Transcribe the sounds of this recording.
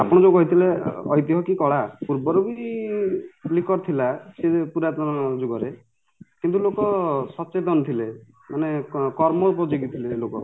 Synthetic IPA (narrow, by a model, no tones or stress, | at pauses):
apɔɽ̃ɔd͡ʒɔkɔɦit̪ʰileɔ̰jt̪iɦɔkikɔɭapuɾbɔɾɔbi | plikɔɾt̪ʰilasepuɾat̪ɔnɔd͡ʒuɡɔɾe | kint̪̬ulokɔsɔt͡ʃet̪ɔnt̪ʰile | manekɔɾmɔupɔd͡ʒeɡit̪ʰileːlokɔ̰